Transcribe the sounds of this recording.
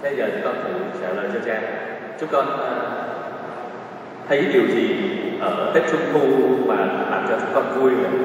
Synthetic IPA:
ɓə˧jzəː˨˩t͡ɕʊ˦˥kɔ˧nt̪ʰɨ̰˨˧˩t͡ɕa̰ː˧˩ləː˨˩jt͡ɕɔ˧t͡ɕaː˧ | t͡ɕʊ˦˥ŋ͡mkɔ˧nʔ | t̪ʰə˨˦jɗi˨˩əwt͡ɕi˨˩ʔəː˧˩t̪e˦˥k̚t͡ɕʊ˨˦ŋ͡mxu˧maː˨˩˨la̰ː˨˩mt͡ɕɔ˧t͡ɕʊ˦˥kɔ˧nvu˧əjə˨˩

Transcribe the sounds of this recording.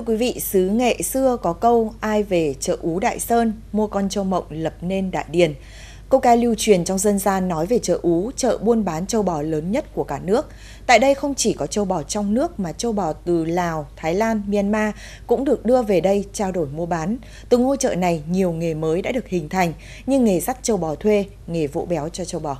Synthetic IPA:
t̪ʰə˧kwi˨˦vḭ˧˨sɨ˨˦ŋḛ˧˨sɨ˧əkɔ˨˦kə˧wʔaː˧jve˨˩t͡ɕə̰ː˧˨ʔu˨˦ɗa̰ː˧˨jsəː˧nmu˧əkɔ˧nt͡ɕə˧wmə̰˧˨wŋ͡mlə˨˩p̚ne˧nɗa̰ː˧˨jɗi˨˩ən | kə˧wkaː˧jli˧wt͡ɕwi˨˩ənt͡ɕɔ˧wŋ͡mzə˧nzaː˧nːɔ˨˦jve˨˩t͡ɕə̰ː˧˨ʔu˨˦t͡ɕə̰ː˧˨ɓu˧ənɓaː˨˦nt͡ɕə˧wɓɔ˨˩ləː˨˦nɲə˦˥t̚ku˧˩əkaː˧˩nɨ˦˥ək̚ | t̪a̰ː˧˨jɗə˧jxə˧wŋ͡mt͡ɕi˧˩kɔ˨˦t͡ɕə˧wɓɔ˨˩t͡ɕɔ˧wŋ͡mnɨ˦˥ək̚maː˨˩t͡ɕə˧wɓɔ˨˩t̪ɨ˨˩laː˨˩wt̪ʰaː˨˦jlaː˧nmi˧nmaː˧ | kʊ̰˧˥ŋ͡mɗɨ˨˩ək̚ɗɨ˧əve˨˩ɗə˧jt͡ɕaː˧wɗo˧˩jmu˧əɓaː˨˦n | t̪ɨ˨˩ŋo˧t͡ɕə̰ː˧˨na˨˩jɲi˨˩əwŋe˨˩məː˨˦jɗa̰ː˧˥ɗɨ˨˩ək̚hï˨˩ŋ̟t̪ʰa˨˩jŋ̟ | ɲɨ˧ŋːe˨˩za˦˥t̚t͡ɕə˧˩wɓɔ˨˩t̪ʰwe˧ | ŋe˨˩vo̰˧˥ɓɛ˨˦wt͡ɕɔ˧t͡ɕə˧wɓɔ˨˩

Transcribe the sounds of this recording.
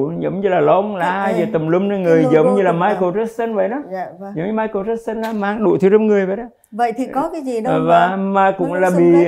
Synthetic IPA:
zə˨˦wŋ͡mɲɨ˧laː˨˩lɔ˧˦ŋ͡mlaː˨˩aː˧jzəː˨˩t̪ə˨˩mlu˧ŋ͡mna˧˩ŋɨ˨˩əjzə˨˦wŋ͡mɲɨ˧laː˨˩maː˧jko˨˧˩zə˦˥ssə˧nvə̰˧˨jɗɔ˨˦˨zə˨˦wɲɨ˧maː˧jko˨˧˩zə˦˥s̚sə˧nlaː˨˦maː˨˧˦ŋɗṵ˧˨t̪ʰɨ˨˦zə˨˦ŋ͡mŋɨ˨˩əjvə̰˧˨ɗɔ˨˦ | və̰˧˨jt̪ʰi˨˩kɔ˨˦kaː˨˦jzi˨˩ɗva˨˩maː˨˩kʊ̰˧˥ŋ͡mlaː˨˩ɓḭ˧˨

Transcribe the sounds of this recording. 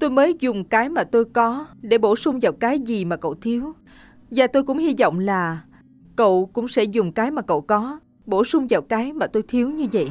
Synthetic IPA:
t̪o˧jməː˨˦jzʊ˨˩ŋ͡mkaː˨˦jmaː˨˩t̪o˧jkɔ˨˦ɗe˧˩ɓo˧˩sʊ˧ŋ͡mvaː˨˩wkaː˨˦jzi˨˩maː˨˩kə̰˧˨wt̪ʰi˨˦əw | vaː˨˩t̪o˧jkʊ̰˧˥ŋ͡mhi˧zɔ̰˧˨wŋ͡mlaː˨˩ | kə̰˧˨wkʊ̰˧˥ŋ͡msɛ̰˧˥zʊ˨˩ŋ͡mkaː˨˦jmaː˨˩kə̰˧˨wkɔ˨˦ | ɓo˧˩sʊ˧ŋ͡mvaː˨˩wkaː˨˦jmaː˨˩t̪o˧jt̪ʰi˨˦əwɲɨ˧və̰˧˨jʔ

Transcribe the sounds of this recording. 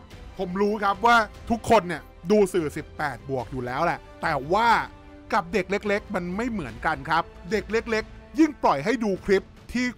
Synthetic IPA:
pʰo˩˦mɾuː˦˥kʰa˦˥p̬̚waː˥˩t̪ʰu˦˥kʰːo˧nːi˧˩ | duː˧sɯː˨˩si˨˩pːɛː˨˩t̪̚bu˨˩ək̚juː˨˩lɛː˦˥wlɛ˨˩ʔt̪ɛː˨˩waː˥˩ | ka˨˩p̚de˨˩k̚le˦˥k̚le˦˥k̚ma˧nma˥˩jmɯ˨˩˦ənka˧nkʰa˦˥p̚de˨˩k̚le˦˥k̚le˦˥k̚ji˥˩ŋplɔ˨˩jɦa˥˩jduː˧kʰɾi˦˥p̚t̪ʰiː˥˩

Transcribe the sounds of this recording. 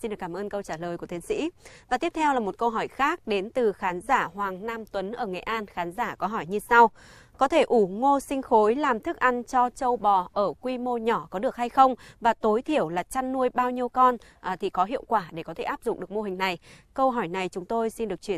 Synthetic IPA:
si˧nɨ˨˩kːaː˧˩mʔəː˧nkə˧wt͡ɕaː˧˩ləː˨˩jku˧˩ət̪i˨˦sḭ˧˥vaː˨˩t̪i˦˥əp̚t̪ʰɛ˧wlaː˨˩mo˨˩t̚kə˧wɦɔ˧˩jxaː˦˥k̚ɗe˨˦nt̪ɨ˨˩xaː˨˦nzaː˧˩hwaː˨˩ŋnaː˧mt̪wə˨˦nʔəː˧˩ŋa˨˩jʔaː˧nxaː˨˦nzaː˧˩kɔ˨˦ɦɔ˧˩jɲɨ˧sa˧w | kɔ˨˦t̪ʰe˧˩ʔu˧˩ŋo˧sï˧ŋ̟xo˨˦jlaː˨˩mt̪ʰɨ˦˥k̚ʔa˧nt͡ɕɔ˧t͡ɕə˧wɓɔ˨˩ʔəː˧˩kwi˧mo˧ɲɔ˧˩kɔ˨˦ɗɨ˨˩ək̚ha˧jxə˧wŋ͡mvaː˨˩t̪o˨˦jt̪ʰi˧˩əwlaː˨˩t͡ɕa˧nːu˧əjɓaː˧wɲi˧əwkɔ˧nʔt̪ʰi˨˩kɔ˨˦ɦḭ˧˨əwkwaː˧˩ɗe˧˩kɔ˨˦t̪ʰe˧˩ʔaː˦˥p̚zʊ̰˧˨ŋ͡mʔɗɨ˨˩ək̚mo˧ɦï˨˩ŋ̟na˨˩jkə˧wɦɔ˧˩jna˨˩jt͡ɕʊ˨˦ŋ͡mt̪o˧jsi˧nɗɨ˨˩ək̚t͡ɕwi˧˩ə˨

